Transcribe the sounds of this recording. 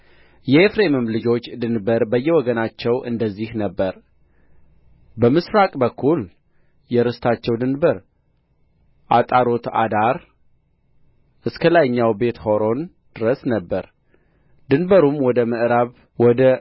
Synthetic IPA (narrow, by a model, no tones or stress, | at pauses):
jɛefɾemɨmlɨd͡ʒo̞t͡ʃːd̪ɨnbəɾbəjːɛwɔɡənat͡ʃːɛwʔɨ̰nd̪əzːihnəbːəɾ | bəmɨsɾakʼbəkʰːul | jɛɾɨst̪ʰat͡ʃːɛwd̪ɨnbəɾ | ʔat̪ʼaɾo̞t̪a̰d̪aɾ | ʔɨskʰəlajɲːawbe̞t̪ho̞ɾo̞n | d̪̥ɨɾəsnəbːəɾ | d̪ɨnbəɾumwɔd̪əmɨʔɾaβ | wɔd̪ə